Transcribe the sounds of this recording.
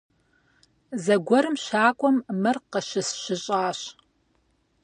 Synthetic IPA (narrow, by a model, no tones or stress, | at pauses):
zɐɡʷɔɾɨmʃaːkʷʼɔmːɨrqəʃɪsɕɪɕʼaːɕ